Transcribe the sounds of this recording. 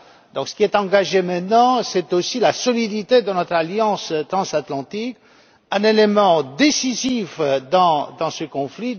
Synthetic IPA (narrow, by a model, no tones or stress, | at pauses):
d̪ɔ̃ksə̥kʲiɛt̪ɑ̃ɡaʒemɛ̃t̪nɑ̃sɛt̪osilasɔlid̪it̪ed̪ənɔt̪χaljɑ̃st̪χɑ̃sat̪lɑ̃t̪ik | ɛ̃nelemɑ̃d̪esizifd̪ɑ̃d̪ɑ̃səkɔ̃fli